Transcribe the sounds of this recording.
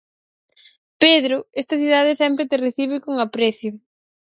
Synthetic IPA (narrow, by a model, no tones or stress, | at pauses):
peðɾʊest̪ɐθiðaðɪsɛmpɾet̪ereθiβ̞ɪkoŋapɾeθjʊ